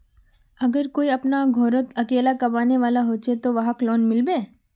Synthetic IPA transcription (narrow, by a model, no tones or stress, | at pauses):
ɐɡəɾkoːiɐpnaɡʱoːɾət̪ɐkeːlakɐbaːneʋaːlaɦoːt͡ʃet̪oʋɐɦəklɔːnmɪlbeː